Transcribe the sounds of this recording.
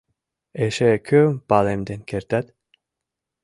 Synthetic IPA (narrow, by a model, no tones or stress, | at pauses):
eʃekʲʰømpalemd̪enkʲʰeɾt̪at̪